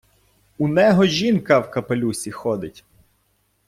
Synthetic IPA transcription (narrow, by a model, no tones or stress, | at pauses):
unɛɦɔʒʲinkɐwkɐpelʲusʲixɔd̪ɪtʲ